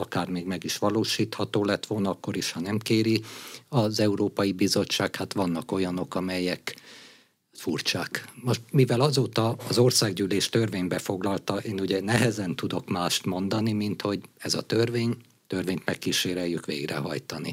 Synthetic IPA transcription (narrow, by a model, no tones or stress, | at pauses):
ɒkaːrmeːɡmɛɡiʃʋɒloːʃiːt̪hɒt̪oːlɛt̪ʋolnɒɒkːo̞ɾiʃhɒnɛmkeːɾiɒzɛuɾoːpɒjibizo̞t͡ʃːaːkhat̪ʋɒnːɒko̞jɒno̞kɒmɛjɛk | furt͡ʃaːkmoʃt̪mivɛlɒzoːt̪ɒːzo̞rsaːɡɟyːleːʃt̪ørveːɲbɛfo̞ɡlɒlt̪ɒʔeːnuɟɛnɛɦɛzɛnt̪ud̪o̞kmaːʃt̪mo̞nd̪ɒnimint̪ho̞ɟɛzɒ̰t̪ørveːɲ | t̪ørveːɲt̪mɛkːiʃeːɾɛjykʋḛːɡrɛ̰ɦɒ̰jt̪ɒnḭ